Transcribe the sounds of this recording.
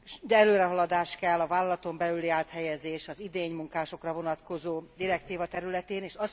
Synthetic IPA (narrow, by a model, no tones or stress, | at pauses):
d̪ɛløːɾɛɦɒlɒd̪aːʃkɛlːɒvaːlɒlɒt̪o̞mbɛlyliaːt̪hɛjɛzeːʃɒzid̪eːɲmuŋkaːʃo̞krɒvo̞nɒt̪ko̞zoːd̪iɾɛkt̪iːvɒt̪ɛɾylɛt̪eːneːʃɒs